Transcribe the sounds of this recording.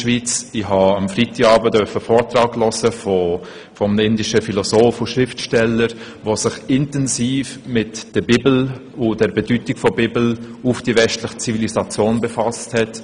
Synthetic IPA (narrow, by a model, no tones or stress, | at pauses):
ʃvit͡sɪhɑɑmfʁitiɡɑːbədœfəfɔːɾtraːklɔsəfo | fɔmɪndɪʃəfilosoːfʊʃʁɪftʃtɛləɾ | vosɪχɪntɛnsiːfmɪtd̥əbibl̩ | ʊd̥ɛɾbedytɪkfɔbiːbl̩ʊfd̥ivɛstlɪχə̥t͡sivilisat͡sjoːnbefasthɛt